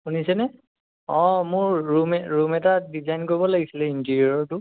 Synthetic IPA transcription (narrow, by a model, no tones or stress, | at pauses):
xunisɛnɛ | ɔ̃mʊɹːumɛɹumɛtadizajnkoɹibɔlaɡisilɛintiɹiɔɹɔɹtʊ